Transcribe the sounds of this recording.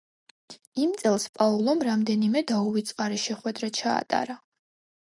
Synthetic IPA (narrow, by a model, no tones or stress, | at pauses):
imt̪sʼɛlˠspʼaulˠɔmɾamd̪ɛnimɛd̪auvit̪sʼqʼaɾiʃɛχwɛd̪ɾat͡ʃʰa̰ːt̪ʼa̰ɾa